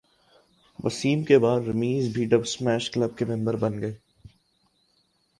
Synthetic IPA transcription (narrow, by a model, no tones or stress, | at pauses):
ʋɐ̰siːmkebaːd̪ɾɐmiːzbʱiɖɐbsmɛːʃklɐb̚kemɪ̃mbəɾbɐnɡɐeː